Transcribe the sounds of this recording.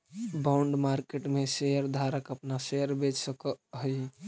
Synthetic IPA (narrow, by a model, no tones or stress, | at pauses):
bauɳɖmaɾkeʈmesejəɾd̪ʱaɾəkəpnasejəɾbet͡ʃsəkəɦəj